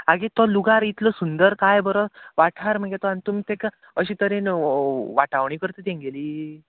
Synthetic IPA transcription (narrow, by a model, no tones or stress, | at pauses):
aɡet̪ɔluɡaɾit̪lɔsund̪əɾkajbəɾɔʋaʈʰaɾm̤əɡat̪ɔanit̪umit̪ek | əɕiːt̪əɾẽnʋaʈaʋɳikəɾt̪ət̪ẽŋɡeliː